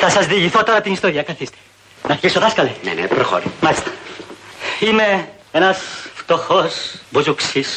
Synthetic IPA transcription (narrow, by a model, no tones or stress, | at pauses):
θɐsɐzðiʝiθot̪oɾɐt̪inist̪oɾiɐkɐθist̪e̥ | nɐfkisoðɐskɐlenḛnḛpɾoxo̰ɾimɐlist̪ɐ̥ | ime | enɐsft̪oxosbuzuksis